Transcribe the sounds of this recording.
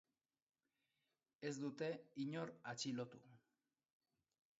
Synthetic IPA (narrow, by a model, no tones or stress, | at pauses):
e̞zd̪ut̪e̞iɲo̞ɾat͡ʃilo̞t̪u